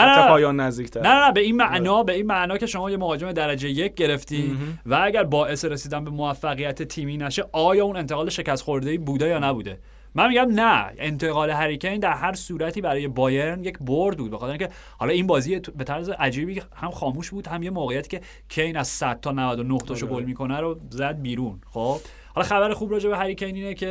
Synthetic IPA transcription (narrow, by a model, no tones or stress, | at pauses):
nææeɒːjɒnːæzd̪iːcʰt̪ʰæɾnæænæbe̞inmæʔnɒːbe̞iːnmæʔnɒːcʲʰe̞ʃo̞mɒːjemovɒːd͡ʒe̞me̞d̪æɾæd͡ʒejeje̞c̚ɟe̞ɾe̞ft̪iːnvææɟæɾbɒːʔe̞seɾesiːd̪ænbe̞moæfːæɣijæt̪ʰet̪ʰiːmiːnæʃe̞ʔɒːjɒːune̞nt̪ʰe̞ɣɒːleʃe̞cæst̪xo̞ɾd̪eiːbuːd̪ejɒːnæbuːd̪e̞ | mænmiɟæmnæʔent̪ʰeɣɒːle̞ɦæɾicʰejnd̪æɾhæɾsuːɾæt̪ʰiːbæɾɒːje̞bɒːje̞ɾnje̞cʰboɾd̪̚buːd̪̚bexɒt̪eɾiŋːcʰe | hɒlɒːinbɒːziːjebet̪ʰæɾzeʔæd͡ʒiːbiːhæmxɒːmuːʃbuːd̪hæmje̞moːɣejæt̪i̥ːcʰe̞ | cʰejnæzsæd̪̚t̪ʰːɒːnævæd̪onoht̪ʰɒʃoɡolmiːkʰo̞næɾozæd̪̚biːɾunxob̥ | hɒlɒxæbæɾexuːbɾɒːd͡ʒe̞beɦæɾicʰejniːnecʰe